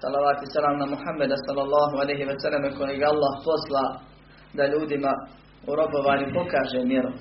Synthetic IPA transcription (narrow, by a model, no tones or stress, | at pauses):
sɑlaʋaːt̪esalaːmamuhamːed̪asalːalːɑːɦoalejɦiʋasalːemekojeɡaalˠːaːhpo̞slaː | d̪aʎuːd̪ima | uɾo̞boʋaːɲupo̞kaːʒeːmjeɾo